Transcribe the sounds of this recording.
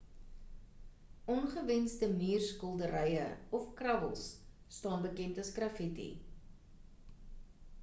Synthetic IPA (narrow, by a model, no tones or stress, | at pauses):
ɔnχəvɛnsdəmiːrskɔlˠdəɾɛjə̰ɔfkrɐvəlˠsː | tɑːnbəkɛntɐskrɐfitḭ